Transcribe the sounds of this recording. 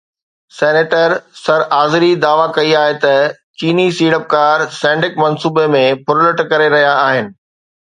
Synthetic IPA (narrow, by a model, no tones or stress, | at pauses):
sɛːneːʈəɾsɐɾʔaːzɪɾid̪aːʋakɐiaːɦet̪ɐ | t͡ɕiːnisiːɽəp̚kaːɾsɛ̃ːɳɖɪkmɐnsuːbemẽpʊɾləʈkɐɾeɾɐɦijaaːɦɪnɪ̆